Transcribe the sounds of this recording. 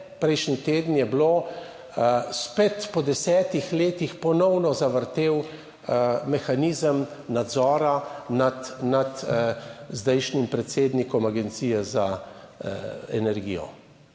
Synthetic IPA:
pɾɛjʃnit̪eːd̪n̩jɛblo | spet̪pɔd̪ɛsɛːt̪ixleːt̪ixpɔnɔwnɔzaʋəɾt̪eːw | mɛxaniːzəmnad̪zɔːɾanat̪nat̪ | zd̪ɛjʃnimpɾɛt̪seːd̪nikɔmaɡɛnt̪siːjɛza | ɛ̰nɛɾɡḭjɔ̰

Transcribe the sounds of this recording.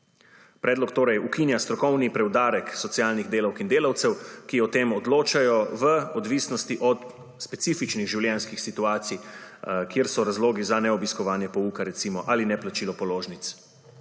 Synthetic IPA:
pɾɛːd̪lɔkt̪oːɾɛjukinjast̪ɾɔkɔwnipɾɛwd̪aːɾɛksɔt̪sialniɣd̪eːlawkind̪eːlawt̪sɛwkiɔt̪eːmɔd̪loːt͡ʃajɔʋəɔd̪ʋisnɔst̪iʔɔt̪ | spɛt̪siːfit͡ʃniɣʒiwljɛnskixsit̪uaːt̪si | kjeːɾsɔɾazloːɡizanɛɔbiskɔʋaːnjɛpɔukaɾɛt̪siːmɔʔalinɛplat͡ʃiːlɔpɔloːʒnit̪s

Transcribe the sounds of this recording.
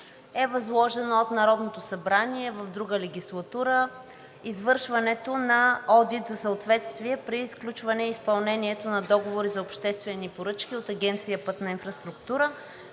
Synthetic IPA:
ɛvɐzlˠɔʒɛnoot̪nɐɾɔd̪not̪osɐbɾaniɛvəvd̪ɾuɡəlɛɡʲislˠɐt̪uɾə | izvɤɾʃvɐnɛt̪onɐɔd̪it̪zɐsəot̪vɛt̪st̪viɛpɾiːsklʲut͡ʃvɐnɛispɐlˠnɛniɛt̪onɐd̪ɔɡovoɾizɐopʃt̪ɛst̪vɛnipoɾɤt͡ʃkʲiot̪ɐɡʲɛnt̪sijəpɤt̪nɐinfɾɐst̪ɾukt̪uɾə

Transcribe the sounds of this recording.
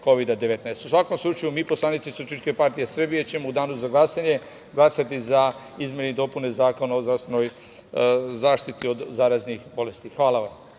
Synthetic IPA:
ko̞ʋid̪ad̪eʋet̪naest̪usʋako̞mslˠut͡ʃajumiːposlˠanit̪sisut͡ʃiʃke̞paɾt̪ije̞sr̩bije̞t͡ɕe̞moud̪aːnuzaɡlasaɲe̞ | ɡlˠasat̪iza | izmʲjenid̪o̞pune̞zaːko̞naozd̪ɾast̪ʋenoj | zaːʃt̪it̪io̞d̪zaːɾaznixbo̞le̞st̪ixʋaːlaʋam

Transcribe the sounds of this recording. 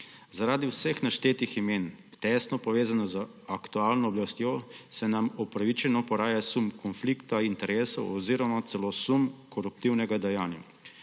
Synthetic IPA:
zaɾaːd̪iwsəxnaʃt̪eːt̪iximeːnt̪ɛːst̪nɔpɔʋeːzanazəakt̪uaːlnɔːblast̪josɛnamɔpɾaʋit͡ʃɛnɔpɔɾaːjasumkɔnflikt̪aint̪ɛɾeːsɔ̰wɔziːɾɔmat̪sɛlosumkɔɾup̚t̪iwnɛɡad̪ɛjaːnja̰

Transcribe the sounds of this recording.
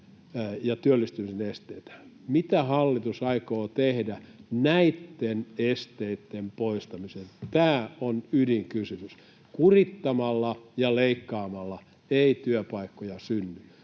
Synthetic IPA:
jɑt̪yølːist̪ymisenest̪eit̪æ̥ | mit̪æhɑlːit̪usɑikoːt̪ehdænæit̪ːenest̪eit̪ːempoist̪ɑmisent̪æːonydiŋkysymys | kurit̪ːɑmɑlːɑjɑleikːɑːmɑlːɑ | eit̪yøpɑikːojɑsynːy

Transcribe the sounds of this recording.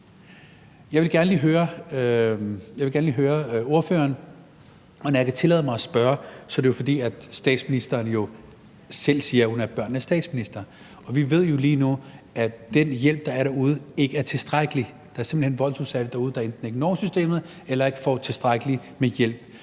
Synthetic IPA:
jɑ̈ɪʋelɡ̥æɐnəliːɦøːɐ | jɑʋeɡæɐnəliːɦøːɐo̝ɐfø̰ːɐn | ɒnɒjakʰæt͡sʰe̝lɛ̰ːðˠmɑ̈ɪɒsb̥ɶɐsɒ̽d̥e̝jo̝fɒ̽d̥ḭːæd̥sd̥ɛ̰ːd̥sminisd̥ɐːnjo̝ | sel̰siːɐhunæɐb̥ɶɐ̰nːəsd̥ɛ̰ːd̥sminisd̥ɐ | ɒ̽ʋiʋe̝ð̞̰ˠjo̝liːnuæd̥enjel̰b̥̚d̥ɑ̈æɐɾæ̈ɐuð̞ˠe̝ɡ̥əæɐt͡sʰe̝sd̥ʁaɡ̥əli | d̥ɑ̈æɐse̝mb̥l̩he̝nʋɒ̽l̰suðˠsæd̥əd̥ɑ̈uːð̞̩ˠd̥ɑe̝nd̥n̩e̝ɡ̥nɒ̰ːmsysd̥e̝̰ːmð̩ˠ | elɐe̝ɡ̥ə̥fɒt͡sʰe̝sd̥ʁaɡ̥əlimejel̰b̥

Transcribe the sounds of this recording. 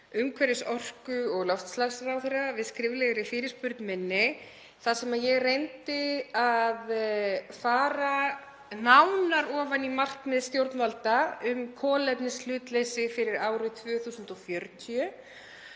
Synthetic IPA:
ʏmkʰvɛɾɪsɔr̥kʏɔɣlɔwft̪slaɣsrawθeravɪðskɾɪːvlɛɣɾɪfɪːɾɪ̥spʏɾt̪nmɪnːɪ | θaðsɛmajɛɣrejnt̪ɪaðfaːɾa | nawnaɾɔːvanimaht̪mɛðst̪jowɾt̪nvalt̪aʏmkʰɔːlɛpnɪslʏːt̪lesɪfɪɾɪɾaːwɾʏt̪ʰvœːθuːsʏnt̪ɔfjœɾt̪ʰiœ

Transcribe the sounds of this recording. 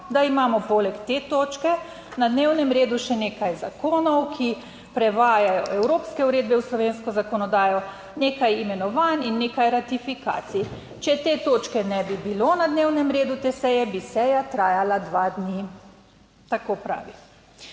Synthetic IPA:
d̪aimaːmɔpolɛkt̪eːt̪oːt͡ʃkɛ | nad̪neːwnɛmɾeːd̪uʃɛneːkajzakoːnɔwkʰi | pɾɛʋaːjajɔʔɛwɾoːpskɛuɾeːd̪bɛwslɔʋeːnskɔzakɔnɔd̪aːjɔ | neːkajimɛnɔʋaːninːeːkajɾat̪ifika̰ːt̪si | t͡ʃɛt̪eːt̪oːt͡ʃkɛnɛbibiloːnad̪neːwnɛmɾeːd̪ut̪eːsɛjɛbisɛjat̪ɾaːjalad̪ʋad̪ni | t̪akopɾa̰ːʋi

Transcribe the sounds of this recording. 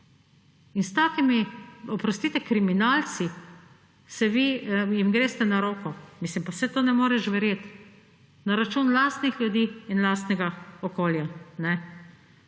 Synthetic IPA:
inst̪aːkimiɔpɾɔst̪iːt̪ɛkɾiminalt͡ssi | sɛʋijimɡɾeːst̪ɛnaɾoːkɔmislimpawsɛt̪oːnɛmoːɾɛʃʋɛɾjeːt̪ | naɾat͡ʃuːnlaːst̪nixljud̪iːnlast̪nɛɡaɔkoːljanɛ

